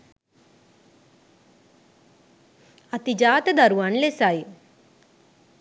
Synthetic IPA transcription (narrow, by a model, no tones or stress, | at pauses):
ɐt̪id͡ʒaːt̪ɐd̪ɐɾuʋanlesaji